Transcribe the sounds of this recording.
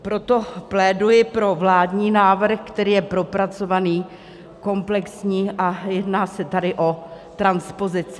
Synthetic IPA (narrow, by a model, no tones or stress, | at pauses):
pɾo̞t̪o̞plɛːdujɪpɾo̞vlaːdɲiːnaːvr̩xkt̪ɛɾiːjɛpɾo̞pɾat͡so̞vaniː | ko̞mplɛksɲiːʔajɛdnaːsɛt̪adɪʔo̞t̪ɾanspozɪt͡sɪ